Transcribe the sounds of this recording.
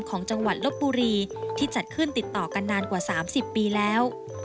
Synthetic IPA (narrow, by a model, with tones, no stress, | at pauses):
mkʰɔː˩˦ŋt͡ɕa˧ŋwa˨˩t̪̚lo˦˥t̪̚buː˧ɾiː˧t̪ʰiː˥˩t͡ɕa˨˩t̪̚kʰɯ˥˩nt̪i˨˩t̪ːɔː˨˩ka˧nːaː˧nkwaː˨˩saː˩˦msi˨˩pːiː˧lɛː˦˥w